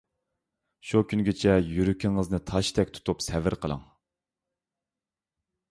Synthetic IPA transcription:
ʃukʲʰynɡʲɪt͡ʃʰɛjyɾykʲʰiŋəznɨt̪ʰɑʃt̪ʰɛkʲt̪ʰu̥t̪ʰupsɛvɪɾqʰəlˠə̰ŋ

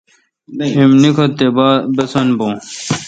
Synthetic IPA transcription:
imnikʰot̪ebaːbesɐnbõː

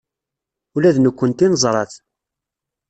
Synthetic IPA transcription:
ulæðnəkʷːənt̪inəzˤɾˤɑθ

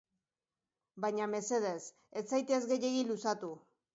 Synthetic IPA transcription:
bajɲame̞se̞ð̞e̞s | et͡sajt̪eezɣe̞je̞ɣilusat̪u

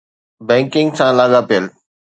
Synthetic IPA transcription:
bɛ̃ːŋkɪ̃ŋɡsãːlaːɠapijəl

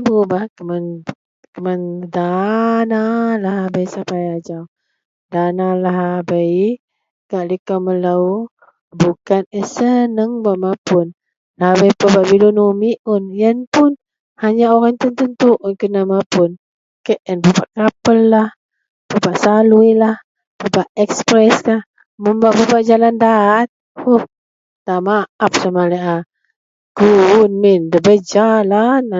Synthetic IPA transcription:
bubakəman | kəmandanalaɦabəjsapajad͡ʒaw | danalaɦabəj | kaʔlikamələw | bukanəsənəŋbaʔmapʊn | lahabəjpəbaʔbilunumiʔʊnjənpʊn | haɲaoɾaŋt̪ənt̪ənt̪uʔnkənamapun | kəʔənpəpaʔkapəlːah | pəpaʔsaluilah | pəbaʔɛkspɾɛskah | məmbaʔpəpaʔd͡ʒalandat̪̚ | huh | t̪aʔmaap̚samalɛʔa | ɡ̥uunmindəbəd͡ʒalan

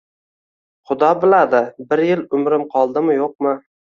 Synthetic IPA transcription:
χʊd̪ɒbɪlad̪ɪbɪɾjɪlʊmɾɪmqʰɒlˠd̪ɪmɪjoq̚mɪ

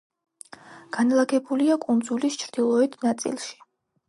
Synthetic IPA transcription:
ɡ̥anlˠaɡʰɛbuliakʼund̪zulist͡ʃʰɾd̪̥ilˠɔɛt̪ʰnat̪sʼḭlˠʃi̥

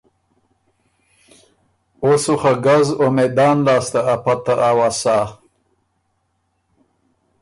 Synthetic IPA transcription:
osuχaɡazomed̪ɑːnlɑːst̪aːpat̪aʔawasa

